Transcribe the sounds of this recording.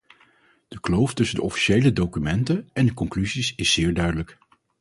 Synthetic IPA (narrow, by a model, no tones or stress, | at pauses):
d̥əklowftɵsəndəʔɔfi̥ʃejlədowkymɛntənɛndəkɔŋklyzisɪsːɪːɹdœɥdələk